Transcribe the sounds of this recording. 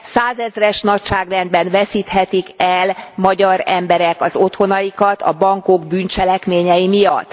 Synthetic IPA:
saːzɛzrɛʃnɒcʃaːɡrɛnd̪̚bɛnvɛsiːt̪hɛt̪ikɛlmɒɟɒɾɛmbɛɾɛkɒzo̞t̪ho̞nɒjikɒt̪ɒ̰bɒŋko̞ɡbyːnt͡ʃɛlɛkmeːɲɛjimijɒt̪ː

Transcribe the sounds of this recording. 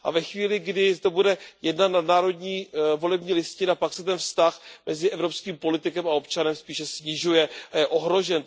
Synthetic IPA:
ʔa̰vɛxviːlɪɡdɪzd̪ɛbudɛjɛdnat̪nadnaːɾo̞dɲiːvo̞lɛbɲiːlɪscɪnapaksɛt̪ɛnfst̪axmʔɛzɪʔɛvɾo̞pskiːmpo̞lɪt̪ɪkɛmao̞pt͡ʃanɛmspiːʃɛsɲɪʒujɛajɛʔoɦɾo̞ʒɛn

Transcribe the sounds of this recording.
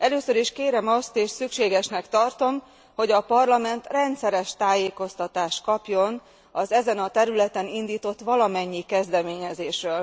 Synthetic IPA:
ʔɛløːsøɾiʃkeːɾɛmɒst̪eːʃsykʃeːɡɛʃnɛkt̪ɒrt̪o̞m | ho̞ɟɒpɒrlɒmɛnt̪rɛnt̪sɛɾɛʃt̪aːjeːko̞st̪ɒt̪aːʃt̪kɒpjo̞n | ɒzɛzɛnɒt̪ɛɾylɛt̪ɛnind̪iːt̪o̞t̪ːʋɒlɒmɛɲːikɛzd̪ɛmeːɲɛzeːʃrøːl

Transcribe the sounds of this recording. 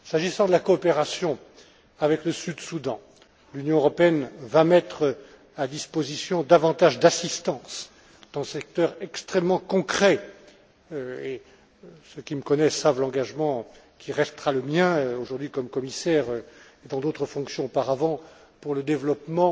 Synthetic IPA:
saʒisɑ̃d̪əlakɔːpeʁasjɔ̃ | avɛkləsyd̪sud̪ɑ̃ | lynjɔ̃øʁɔpeɛnvamɛt̪χ | ad̪ispozisjɔ̃d̪avɑ̃t̪aʒd̪asist̪ɑ̃s | d̪̥ɑ̃sɛk̚t̪œʁɛkst̪χɛmːɑ̃kɔ̃kχɛ | øe | səkʲiməkɔnɛsavlɑ̃ɡaʒmɑ̃ | kʲiʁɛst̪χaləmjɛ̃oʒuʁd̪ɥikɔmkɔmisɛʁøed̪ɑ̃d̪ot̪χəfɔ̃ksjɔ̃opaʁavɑ̃ | puʁləd̪evlɔpmɑ̃

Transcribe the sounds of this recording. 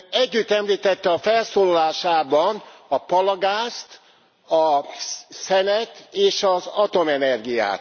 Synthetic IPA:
ɛɟːyt̪ːɛmliːt̪ɛt̪ːɛɒfɛlsoːlɒlaːʃaːbɒnɒpɒlɒɡaːst̪ | ɒ | sɛnɛt̪eːʃɒzɒt̪o̞mɛnɛrɡija̰ːt̪

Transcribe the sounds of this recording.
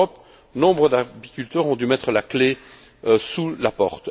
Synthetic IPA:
ɔp | nɔ̃bʁəd̪apikʲylt̪œːʁɔ̃d̪ymɛt̪χəlakle | øsulapɔʁt̪

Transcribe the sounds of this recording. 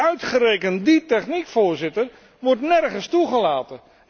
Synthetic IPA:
œɥtχəɾejkənditɛχnikfʊːɹzɪtər | ʋɔrtnɛrχəstuχəlaːtə

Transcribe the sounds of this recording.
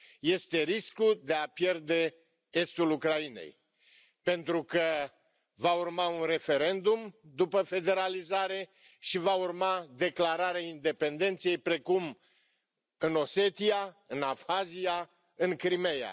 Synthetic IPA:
je̞st̪e̞ɾiskud̪e̞apje̞rd̪e̞ | e̞st̪ulukɾaine̞̰j | pe̞nt̪ɾukə | vaurmaunre̞fe̞ɾe̞nd̪umd̪upəfe̞d̪e̞ɾalizaɾe̞ | ʃivaurmad̪e̞klaɾaɾeaind̪e̞pe̞nd̪e̞nt̪sejejpɾe̞kum | ɨno̞se̞t̪iaɨnavxazija | ɨŋkɾime̞ja̰

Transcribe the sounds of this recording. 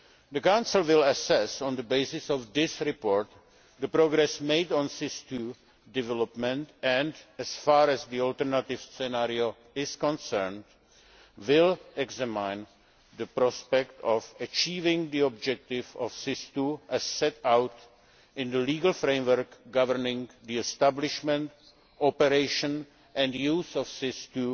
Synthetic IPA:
d̪əkawnsl̩ˠwɪlɛsɛsɔ̃nd̪əbeɪsɪsɔfd̪ɪsɾɪpoːɹt̪ | d̪əpɾoɡɾɛsmeɪdɔ̃nsɪst̪u | dɪvɛlɔpmɛ̃nt̪ɛ̃ndɛsfaːɾɛzd̪iɔlt̪ɛɾnat̪ɪvsɛnaɾio | ɪskɔ̃nsɛɾnd | wɪlɛɡzɛmãjn | d̪əpɾɔspɛkt̪ɔfət͡ʃiːvɪ̃ŋd̪iɔb̚d͡ʒɛk̚t̪ɪvɔfsɪst̪uʔɛsːɛt̪awt̪ | ʔɪ̃nd̪əliːɡəl̩fɾẽjmwəɾkɡavəɾnɪ̃ŋd̪iɛst̪ablɪʃmɛ̃nt̪ | ɔpɛɾeɪʃə̃n | ʔɛ̃ndjuːsɔfsɪst̪u

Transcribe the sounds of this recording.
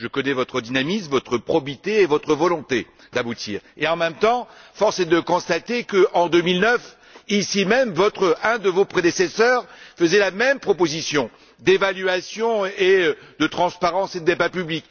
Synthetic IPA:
ʒəkɔnɛvɔt̪χəd̪inamismvɔt̪χəpχɔbit̪eːvɔt̪χəvɔlɔ̃t̪e | d̪abut̪ʰḭːʁeɑ̃mɛmt̪ɑ̃fɔʁsɛd̪əkɔ̃st̪at̪ekəʔɑ̃d̪ømilnœf | isimɛmvɔt̪χəɛ̃d̪əvopχed̪esɛsœːʁfəzɛlamɛmpχɔpozisjɔ̃ | d̪evalɥasjɔ̃ed̪ət̪χɑ̃spaʁɑ̃sed̪əepapyblik

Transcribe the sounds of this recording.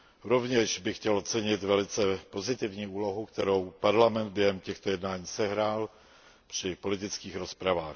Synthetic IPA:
ɾo̞vɲɛʃbɪxcɛlot͡sɛɲɪt̪vɛlɪt͡sɛpo̞zɪt̪ɪvɲiːuːlo̞ɦukt̪ɛɾowpaɾlamɛnd̪̚bjɛɦɛmcɛxt̪ojɛdnaːɲiːsɛɦɾaːl | pr̥ɪpo̞lɪt̪ɪt͡skiːxɾo̞spɾavaːx

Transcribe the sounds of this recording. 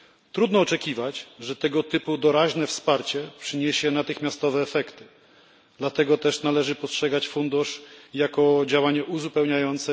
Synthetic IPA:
t̪ɾud̪nɔːt͡ʂɛkʲivat͡ɕʐɛt̪ɛɡɔt̪ɘpud̪ɔɾaʑnɛfspaɾt͡ɕɛpʂɘɲeɕɛnat̪ɘxmʲjast̪ɔvɛːfɛkt̪ɘ̥ | d̪̥lat̪ɛɡɔt̪ɛʂnalɛʐɘpɔstʂɛɡat͡ɕfund̪uʂjakɔd͡ʑawaɲɛʔuzupɛwɲajɔnt̪sɛ

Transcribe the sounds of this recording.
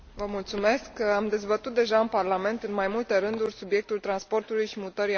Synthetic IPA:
vəmult̪sume̞skamd̪e̞zbət̪ut̪̚d̪e̞ʒaɨnparlame̞nt̪ɨnmajmult̪eɾɨnd̪urʲsubje̞k̚t̪ult̪ɾanspo̞rt̪ulujʃimut̪əɾi

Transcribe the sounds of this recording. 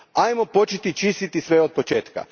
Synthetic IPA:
ajmo̞po̞t͡ʃet̪it͡ʃist̪it̪isʋe̞o̞d̪̚po̞t͡ʃe̞ːt̪ka̰

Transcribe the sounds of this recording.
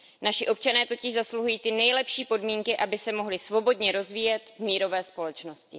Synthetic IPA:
naʃɪʔo̞p̚t͡ʃanɛːt̪o̞cɪʒzasluɦujiːt̪ɪnɛjlɛpʃiːpo̞dmiːŋkɪʔabɪsɛmo̞ɦlɪsvo̞bo̞dɲɛɾo̞zviːjɛt̪vmiːɾo̞vɛːspo̞lɛt͡ʃno̞scɪ

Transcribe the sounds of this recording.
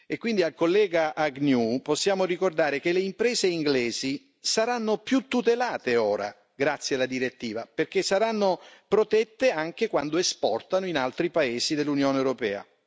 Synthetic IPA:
ekːwind̪ialkolːɛːɡaʔaɡnjuposːjaːmorikord̪aːɾekeleimpɾɛːzeiŋɡlɛːzi | saɾanːopjut̪ːut̪elaːt̪eoːɾa̰ | ɡɾat̪sːjealad̪iɾet̪ːiːvaperk̟esːaɾanːopɾot̪ɛt̪ːeaŋk̟ekwand̪oespɔrt̪anoinalt̪ɾipaeːzid̪elːunjoːnewɾopɛ̰ːa̰

